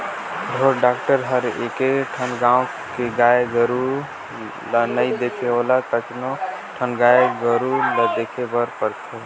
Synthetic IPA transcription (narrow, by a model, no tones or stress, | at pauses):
ɾʱoɾɖaːkʈəɾɦəɾḛːkeʈʰənɡãːo | keɡaːeɡəɾu | lnəid̪ekʰealat̪ət͡ʃnoʈʰənɡaːeɡəɾuləd̪ekʰebəɾpəɾt̪ʰe